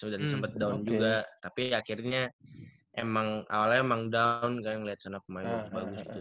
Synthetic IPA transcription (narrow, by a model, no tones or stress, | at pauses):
sudansəmpət̪̚daund͡ʒuɡat̪apiakirɲa | ʔemaŋa̰walaemaŋdaunkanŋəliat̪̚sanap̚əmainbaɡsbaɡʊsit̪u